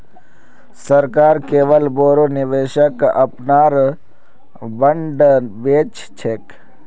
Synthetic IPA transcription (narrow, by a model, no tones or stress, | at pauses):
sɐɾkaːɾkeːʋəlboːɾonɪʋeːʃəkɐ̰pnaːɾ | bəɳɖbeːt͡ʃ | t͡ʃʰek